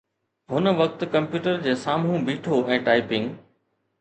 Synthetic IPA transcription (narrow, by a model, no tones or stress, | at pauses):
ɦʊnə̆ʋɐk̚t̪kɐ̃mpjuːʈəɾd͡ʑeːsaːmũbiːʈʰoɛ̃ːʈaːɪpɪ̃ŋɡ